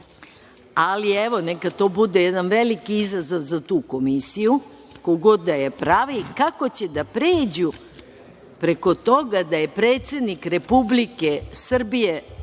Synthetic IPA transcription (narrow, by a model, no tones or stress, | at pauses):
alieʋo̞nekat̪o̞ːbud̪ejed̪anʋelikiizazoʋzat̪uːko̞misiju | koɡod̪ajepɾaʋikako̞t͡ɕe̞d̪apɾeːd͡ʑu | pɾe̞ko̞t̪o̞ɡad̪aje̞pɾeːt̪se̞d̪nikɾe̞publike̞sr̩bije̞